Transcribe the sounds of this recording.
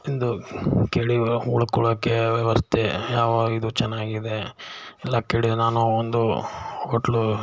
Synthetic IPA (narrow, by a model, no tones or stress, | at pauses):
ind̪ukeːɭiuɭukɔɭoːkːeʋiʋɐst̪ʰejaːʋaːid̪ut͡ʃɛnːaːɡid̪e̞ɛlːakeːɽid̪naːnuond̪uoʈlu